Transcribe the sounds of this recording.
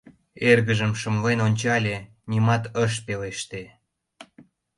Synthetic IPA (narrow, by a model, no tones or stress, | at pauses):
erɣəʒəmʃəmlenonʲt͡ɕɑlʲe | nʲimɑt̪əʃpeleʃt̪e